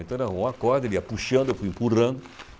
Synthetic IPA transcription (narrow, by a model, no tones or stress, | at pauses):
ẽt̪ɐ̃w̃ɾɐ̃võw̃akɔɾd̪ɐeliapuʃɐ̃nd̪ʊewfujĩmpurɐ̃nd̪ʊ